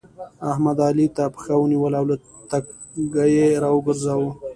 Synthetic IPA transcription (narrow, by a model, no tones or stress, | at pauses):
ahmad̪ɑlit̪apəxawəniwəlawla | t̪ak | ɡajeɾɑwəɡəɾzawə